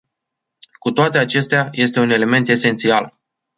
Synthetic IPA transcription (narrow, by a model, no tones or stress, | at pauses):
kut̪oat̪e̞at͡ʃe̞st̪eaje̞st̪e̞une̞le̞me̞nt̪e̞se̞nt̪sial